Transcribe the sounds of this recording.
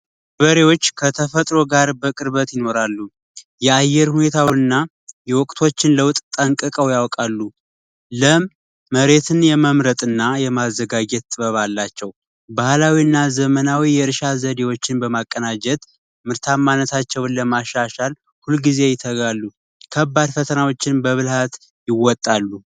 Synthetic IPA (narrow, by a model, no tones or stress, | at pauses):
bəɾewo̞t͡ʃːkʰət̪ʰəfət̪ʼɾo̞ɡaɾbəkʼɨɾβət̪jɪno̞ɾalːu | jɛajːɛɾhune̞t̪ʰawɨnːa | jɛwɔkʼt̪ʰo̞t͡ʃːɪnləwt̪ʼt̪ʼəŋkʼɨkʼəwjawkʼalːu | ləmː | əɾe̞t̪ʰɨnjɛməmɾət̪ʼɨnːajɛmazːəɡad͡ʒɛt̪t̪ʼɨbəβalːat͡ʃːɛw | bahlawiɨnːazəmənawijɛɾʃazəd̪ewo̞t͡ʃːɪnbəmakʼːənad͡ʒɛt̪ | mɨɾt̪ʰamːanət̪ʰat͡ʃːɛwnləmaʃːaʃal | hulɡize̞jɪt̪ʰːəɡalːu | kʰəbːad̪fət̪ʰənawo̞t͡ʃːɪnbəβɨlhat̪ | jɪwɔt̪ʼːalːu